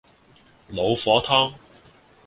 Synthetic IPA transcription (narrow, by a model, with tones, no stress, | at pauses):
lo˨˧wfɔː˨˥t̪ʰɔː˥ŋ